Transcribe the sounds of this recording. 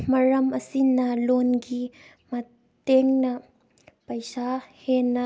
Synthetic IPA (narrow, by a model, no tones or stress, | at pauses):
mɐɾɐmɐsinɐlonɡi | mɐ | teŋnɐ | pɐjsahenːɐ